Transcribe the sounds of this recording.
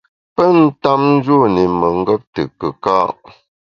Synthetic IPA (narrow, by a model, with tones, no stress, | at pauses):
pə˦n̩˦ta˦mn̩˦d͡ʒo˦˨ni˨mə˨ŋ̩˦ɡə˦p̚tə˨kə˨ka̰˦ʔ